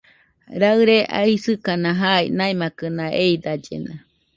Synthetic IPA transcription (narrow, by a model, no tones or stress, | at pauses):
ɾaɨɾeʔa̰isɨkanaɦainajmakɯnaʔeid̪ad͡ʒḛna̰